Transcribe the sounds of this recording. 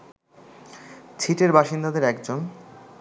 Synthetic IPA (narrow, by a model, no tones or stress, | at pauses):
t͡ɕʰiʈeɾbaʃind̪ad̪eɾɛkd͡ʑon